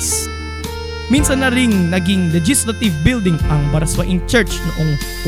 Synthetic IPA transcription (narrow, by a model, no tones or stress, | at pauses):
s | minsɐnːɐɾɪŋnɐɡɪŋlɛd͡ʒislɐt̪ɪvbɪld̪ɪŋʔɐŋbɐɾɐswɐʔɪŋt͡ʃɛɹt͡ʃnʊʔoŋ